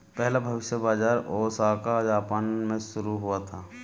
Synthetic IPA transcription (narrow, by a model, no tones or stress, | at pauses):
pɛɦlabʱɐʋɪʃjəbaːd͡ʒaːɾɔːsaːkad͡ʒaːpaːnmẽʃʊɾuɦuat̪ʰaː